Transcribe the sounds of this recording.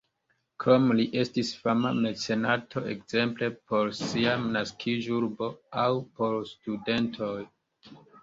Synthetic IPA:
kɾomliʔe̞stisfama̰me̞t͡se̞natʰo̞e̞̰kz̥e̞mple̞po̞ɾsiamnaskʰiʒuɾbo̞awpo̞ɾstude̞ntʰo̞j

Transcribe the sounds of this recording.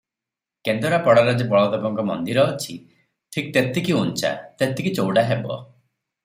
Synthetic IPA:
kend̪ɔɾapɔɽɔɾad͡ʒɔbɔɭɔd̪ɔbɔŋkɔmɔ̰nd̪iɾɔːt͡ʃʰi | ʈʰik̚t̪et̪ikiunt͡ʃa̰t̪et̪ikit͡ʃowɽaɦebɔ̰

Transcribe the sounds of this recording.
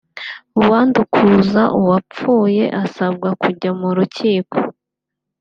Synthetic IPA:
uwaːndukʰuzaʔuwap͡fuːje̞ʔasab̚ɡakuɟamuɾuciːko

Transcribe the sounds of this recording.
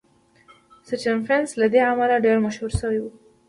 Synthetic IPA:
sət͡ʃanfɾenslad̪eamalaɖeɾmaʃhuɾsəwewu

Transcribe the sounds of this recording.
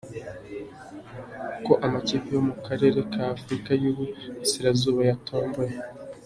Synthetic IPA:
uko̞ʔamacipijo̞mukaɾe̞ɾe̞kʰaːfɾikajuβusiɾazuːβajatʰo̞ːmbo̞je

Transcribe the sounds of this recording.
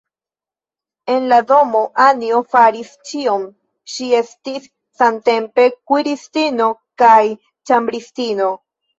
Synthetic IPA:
e̞nlado̞mo̞ʔaniofaɾist͡ʃio̞m | ʃie̞stisː | ante̞mpe̞kwiɾistino̞kaj | t͡ʃambɾistino̞

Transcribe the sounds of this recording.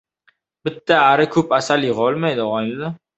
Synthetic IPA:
bɪt̪ʰːaːɾɪkʰɵpasaljɪʁɒlˠmajd̪ɪʁɒjld̪a

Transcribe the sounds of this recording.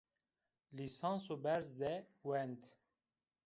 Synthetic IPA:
lisɑ̃ːsobɛɾzd̪ɛwɛnt̪

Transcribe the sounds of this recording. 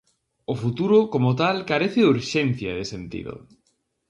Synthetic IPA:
ʊfut̪uɾʊkomot̪alkaɾeθɪuɾʃen̟θjaðesent̪ḭðʊ̰

